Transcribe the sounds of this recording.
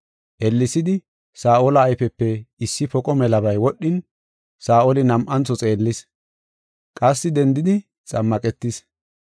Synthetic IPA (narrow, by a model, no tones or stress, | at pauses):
ʔɛlːɪsɪd̪ɪ | saːʔolɐːjfɛpːɛɪsːɪfɔkʼɔmɛlɐbɐjwɔɗːɪn | saːʔolɪnɐmʔɐnt͡sːɔt͡sʼe̞ːlːɪs | kʼɐsːɪd̪ɛnd̪ɪd̪ɪ | t͡sʼɐmːɐkʼɛt̪ːɪs